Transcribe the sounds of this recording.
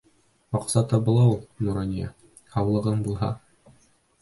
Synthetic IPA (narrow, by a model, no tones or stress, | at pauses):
mɑqsɑt̪ɤbŏlˠɑwulˠnuɾɑnʲijɑ̰ | hɑwlˠɤ̆ʁɤmbulˠɦɑ